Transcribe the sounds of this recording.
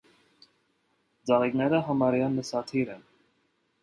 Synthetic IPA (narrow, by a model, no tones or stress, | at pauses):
d͡zɑʁiknɛɾəɦɑmɑɾjɑnːəsɑt̪ʰiɾɛn